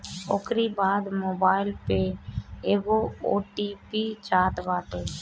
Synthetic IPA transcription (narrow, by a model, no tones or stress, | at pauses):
o̰kɾibaːd̪moːbaːɪlpeeːɡoo̰ːʈipit͡ʃaːt̪baːt̪eː